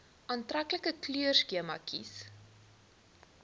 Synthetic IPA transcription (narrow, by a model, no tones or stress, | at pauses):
ʔɑːntrakləkəklyərskiəmɐ̰kʰḭs